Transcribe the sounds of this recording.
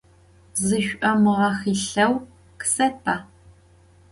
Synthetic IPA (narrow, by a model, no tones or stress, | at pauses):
zɨʃʷʔɐmɨʁɐxiːɬɐw | kɨ̥sɐpʰaː